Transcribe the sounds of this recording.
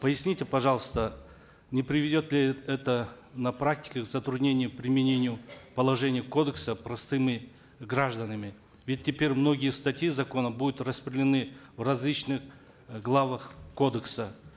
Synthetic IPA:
pəjɪsʲnʲitʲɪpɐʐɑlˠəst̪ə | nʲɪpɾʲɪvʲɪdʲo̞t̪lʲɪɛt̪ə | nɐpɾak̚tʲɪ̥kʲɪkzət̪ɾʊd̪nʲenʲɪjʊpɾʲɪmʲɪnʲenʲɪjʊpɐlˠɐʐɛnʲɪjəko̞d̪əksəpɾɐst̪ɨmʲɪ | ɡraʐd̪ənəmʲɪ | vʲɪt̚ʲːɪpʲeɾʲmno̞ɡʲɪjəst̪atʲɪjizɐko̞nəbud̪ʊt̪rɐspɾʲɪdʲɪlʲɪnɨvrɐzʲlʲit͡ɕnɨx | ɡlˠavəxko̞d̪əksə

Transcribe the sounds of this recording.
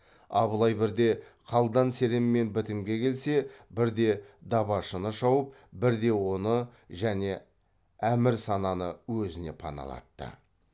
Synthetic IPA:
ɑ̰bəlˠɑjbɪɾd̪e̞qʰɑlˠd̪ɑnse̞ɾemːe̞nbɪt̪ɪmɡʲe̞kʲʰe̞lse̞bɪɾd̪e̞d̪ɑβɑʃənəʃɑwəp̚ | bɪɾd̪e̞wo̞nə | ʒæne̞ | æmɪɾsɑnɑnəwɵzɪne̞pʰɑ̰nɑ̰lˠɑ̰t̪ːə̰

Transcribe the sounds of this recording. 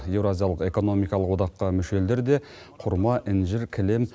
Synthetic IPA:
je̞wɾoazijalˠəqe̞ko̞no̞mijkɑlˠəqwo̞d̪ɑqːɑmʏʃe̞ld̪eɾd̪e̞ | qʰʊɾmɑʔɪnʒɪɾkʲʰɪlem

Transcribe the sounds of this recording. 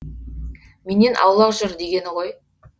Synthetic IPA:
mene̞nʔɑ̰wlˠɑqʒʏɾd̪e̞ɡʲe̞nɪʁoj

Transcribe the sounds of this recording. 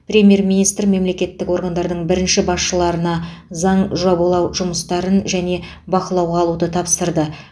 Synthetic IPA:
prʲe̞mʲje̞ɾminijst̪rme̞mle̞kʲe̞t̪ːɪko̞ɾɡand̪ɑɾd̪əɴbɪɾɪnʃɪbɑsʃəlˠɑɾənɑzɑɴʒɑbəlˠɑwʒʊməst̪ɑɾənʒæne̞ | bɑqəlˠɑwʁɑːlˠud̪ət̪ʰɑpsəɾd̪ə

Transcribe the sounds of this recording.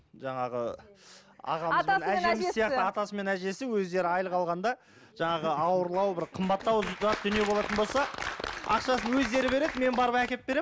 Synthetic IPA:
ʒɑɴɑʁə | ɑ̰ʁɑmznæʒemsijɑqt̪ɪɑt̪ɑsəme̞næʒe̞sɪwɵzd̪e̞ɾɪɑjəlˠəqʰɑlˠʁɑnd̪ɑ | ʒ̥ɑɴɑʁəɑwəɾlˠɑwbɪɾqʰəmbɑt̪ːɑwɑt̪̚d̪ʏnije̞bo̞lˠɑt̪ənbo̞lˠsɑɑ̰qʃɑsənwɵzd̪e̞ɾɪbe̞ɾe̞d̪ɪme̞nbɑɾəpækʲe̞t̪̚be̞ɾem

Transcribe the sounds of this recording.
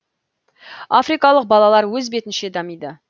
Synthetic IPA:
afrijkɑlˠəq̚bɑlˠɑlˠɑɾwɵzbe̞t̪ɪnʃe̞d̪ɑmijd̪ə

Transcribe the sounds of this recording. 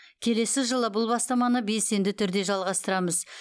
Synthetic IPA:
kʲʰe̞le̞sɪʒəlˠəbʊlˠbɑst̪ɑmɑnəbe̞se̞nd̪ɪt̪ʰʏɾd̪e̞ʒɑlˠʁɑst̪əɾɑməz

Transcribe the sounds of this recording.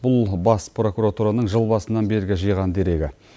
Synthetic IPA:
bʊlˠbɑspro̞kuɾat̪uɾanəɴʒəlˠbɑsənɑnbe̞ɾɡʲɪʒəjʁɑnd̪e̞ɾe̞ɡʲɪ

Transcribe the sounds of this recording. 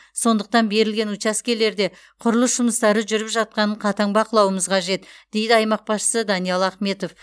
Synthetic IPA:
so̞nd̪əq̚t̪ɑnbe̞ɾɪlɡʲe̞nut͡ʃaskʲe̞le̞ɾd̪e̞ | qʰʊɾlˠəsʒ̥ʊməst̪ɑɾəʒʏɾɪpʒɑt̪̚qɑnəɴqʰɑt̪ɑŋbɑqəlˠɑwəməzqʰɑʒe̞t̪d̪̥e̞jd̪ɪɑjmɑq̚bɑsʃə̥səd̪ɑnijɑlˠɑχme̞t̪o̞f

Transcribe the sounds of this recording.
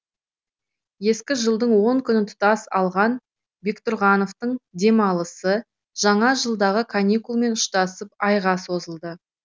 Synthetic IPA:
je̞skʲɪʒəlˠd̪əɴwo̞ŋkʲʰʏnɪt̪ʰʊ̥t̪ɑsɑlˠʁɑn | bekt̪ʊɾʁɑno̞ft̪əɴd̪e̞mɑlˠəsə | ʒ̥ɑɴɑʒəlˠd̪ɑʁəkʰanʲikulˠme̞nʊʃt̪ɑsəp̚ɑjʁɑso̞zəlˠd̪ə

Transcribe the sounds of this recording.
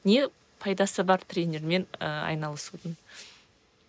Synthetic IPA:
ne | pʰɑjd̪ɑsəbɑɾt̪ʰɾʲenʲe̞ɾme̞nəɑ̰jnɑlˠəsud̪ən

